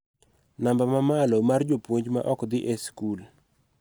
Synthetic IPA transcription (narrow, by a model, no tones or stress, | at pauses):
nambamamalomard͡ʒopwoɲd͡ʒma̰ʔɔkd̪ɪʔeskul